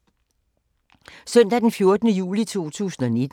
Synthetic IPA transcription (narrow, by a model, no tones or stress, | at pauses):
sœn̰d̥æd̥enfjo̝ɐd̥nəjṵːlit͡sʰo̝̰ːt͡sʰṵːsn̩ɒ̽ne̝d̥